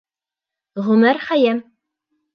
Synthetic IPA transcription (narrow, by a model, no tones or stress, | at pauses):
ʁɵmæɾχæjæm